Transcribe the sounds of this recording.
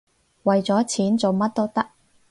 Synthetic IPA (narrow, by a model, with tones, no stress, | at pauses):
wɐ˨jt͡sɔː˨˥t͡sʰiː˨˥nt͡so˨wmɐ˥t̚t̪o˥wt̪ɐ˥k̚